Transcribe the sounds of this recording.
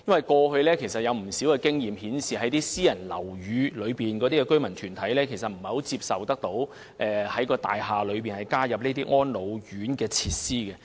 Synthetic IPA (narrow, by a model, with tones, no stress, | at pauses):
jɐ˥nwɐ˨jkɔː˧hɵ˧ɥlɛː˥kʰe˨˩sɐ˨t̚jɐ˨˧wm̩˨˩siː˨˥wkɛː˧kɪ˥ŋjiː˨mhiː˨˥nsiː˨˩ɦɐ˨˥jt̪iː˥siː˥jɐ˨˩nlɐ̰˨˩wjyː˨˧lɵ˨˧ɥpiː˨nkɔː˨˧t̪i˥kɛ˧kɵ˥ɥmɐ˨˩nt̪ʰy˨˩nt̪ʰɐ˨˥jlɛː˥kʰe˨˩js̬ɐ˨t̚m̩˨˩ho˨˥wt͡siː˧p̚sɐ˨wt̪ɐ˥k̚t̪o˨˥w | ʔɛː˨hɐ˨˥jkɔː˧t̪a̰ː˨jɦaː˨lɵ˨˧ɥp̬iː˨nhɐ˨jkaː˥jɐ˨p̚ne˥t̪iː˥ŋɔː˥nlo˨˧wjyː˨˥nkɛː˧t͡sʰiː˧t̚siː˥kɛː˧